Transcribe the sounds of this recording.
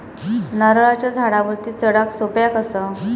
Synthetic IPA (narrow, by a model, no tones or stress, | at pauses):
naɾɭat͡ɕjad͡zʱaɽaʋəɾt̪iːt͡səɽaksopjakəsə